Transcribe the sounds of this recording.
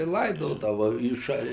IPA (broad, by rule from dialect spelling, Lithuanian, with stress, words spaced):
ɪ ˈlˠɐɪdoːdɐʋɐ iː ˈʃɐlʲ